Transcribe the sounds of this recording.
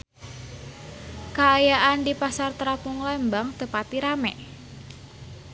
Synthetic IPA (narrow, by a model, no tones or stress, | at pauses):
kaːjaʔandipasart̪ɾapuŋlɛmbaŋt̪əpat̪iɾamɛ